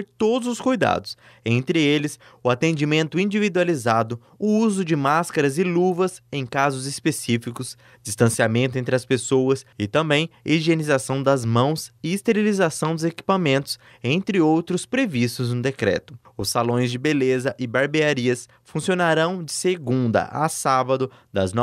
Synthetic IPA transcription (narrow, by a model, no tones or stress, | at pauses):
peɾt̪od̪ʊzʊskujd̪a̰d̪ʊs | ẽnt̪ɾɪelɪsʊat̪ẽnd͡ʒimẽnt̪ʊĩnd͡ʒivid̪ualizad̪ʊ | ʊuzʊd͡ʒɪmaskɐɾɐzɪluvɐsẽj̃kazʊzɪspesifikʊz | d͡ʒist̪ɐ̃siamẽnt̪ʊẽnt̪ɾɪɐspesowɐsɪt̪ɐ̃mbẽj̃iʒienizasɐ̃w̃d̪ɐzmɐ̃w̃sɪːst̪eɾilizasɐ̃w̃d̪ʊzeki̥pamẽnt̪ʊ̥s | ẽnt̪ɾɪowt̪ɾʊspɾevist̪ʊznʊd̪ekɾɛ̰t̪ʊ | ʊsːalõj̃zd͡ʒɪbelezɐʔɪbaɾbeaɾiɐs | fũsionaɾɐ̃w̃d͡ʒɪseɡũd̪ɐ̰ʔa̰sabɐd̪ʊd̪ɐ̰znɔ